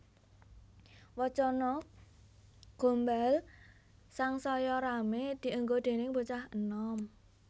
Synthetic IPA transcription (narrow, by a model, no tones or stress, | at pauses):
wɔt͡ʃɔnɔ | ɡ̥o̤mbal | saŋsɔjɔɾamed̪̥i̤ʔəŋɡod̪̥e̤nɪŋbut͡ʃahənɔm